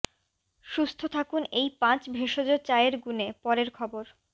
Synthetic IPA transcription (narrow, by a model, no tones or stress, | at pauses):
ʃust̪ʰot̪ʰakunejpãt͡ɕbʱeʃod͡ʑot͡ɕaeɾɡunepɔɾeɾkʰɔboɾ